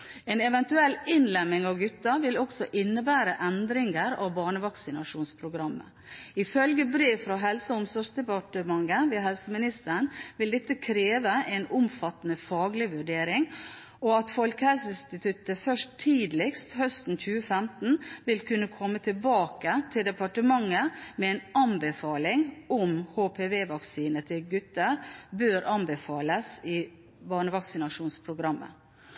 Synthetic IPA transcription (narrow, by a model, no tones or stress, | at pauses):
ɛːnɛʋɛnt̪ʉɛlːɪnlɛmːɪŋɑʋɡʉt̪ːɑʋɪlɔksɔʔɪnːəbæːɾəʔɛnd̪ɾɪŋəɾɑ̰ʋbɑːɳəʋɑksɪnɑ̰ʂuːnspʰɾʊɡɾɑmːə̰ | ɪfœlɡəbɾeːʋfɾɑɦɛlsəʊmsɔʂd̪ɛpɑʈəmɑŋːəʋeːɦɛlsəmɪnɪst̪əɳʋɪld̪ɛt̪ːəkʰɾeːʋəʔɛnʊmfɑt̪ːənəfɑːɡlɪʋʉɖeːɾɪŋ | ɔɑt̪fɔlkəhæsɪnst̪ɪt̪ʰʉt̪əfœʂt̪ʰːiːd̪lɪkst̪hœst̪n̩c͡çʉːəfɛmt̪n̩ʋɪlkʰʉnːəkʰɔmːət̪ʰɪlbɑːkət̪ʰɪld̪ɛpɑʈəmɑŋːəmɛɛnɑnbəfɑːlɪŋʊmhoːpʰeːʋeːʋɑksiːnət̪ʰɪlɡʉt̪ːəɾbøːɾʔɑnbəfɑːləsɪ | bɑːɳəʋɑksɪnɑʂuːnspʰɾʊɡɾɑmːə̰